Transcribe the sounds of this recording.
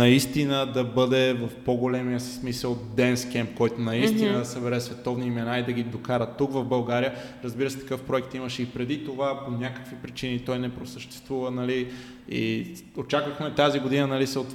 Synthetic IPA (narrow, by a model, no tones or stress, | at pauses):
nɐist̪inəd̪ɐbɤd̪ɛvɐfpoɡolɛmiəsi̥smisəlˠt̪d̪ɛnskɛmp̚kɔjt̪onɐist̪inəd̪ɐsɐbɛɾɛsvɛt̪ɔvniːmɛnaid̪ɐɡid̪okaɾət̪ːukvɐvbɐlˠɡaɾijə | ɾəzbiɾəsɛ̥t̪ɐ̥kɤfpɾoɛkt̪iməʃɛipɾɛd̪it̪ovaponʲakə̥kvipɾit͡ʃinit̪ɔjnɛpɾosəʃt̪ɛ̥st̪vuvənɐli | ḭ | ot͡ʃakvəxmɛt̪aziɡod̪inənɐlisɛot̪